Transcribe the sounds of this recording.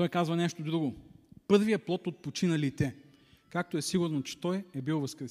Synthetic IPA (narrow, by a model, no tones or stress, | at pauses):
t̪ɔjkazvɐnɛʃt̪od̪ɾuɡopɤɾvijəplˠɔt̪ot̪̚pot͡ʃinɐlit̪ɛ | kak̚t̪oɛsiɡʊɾnot͡ʃɛ̥t̪ɔjɛbilˠvɐskɾɛ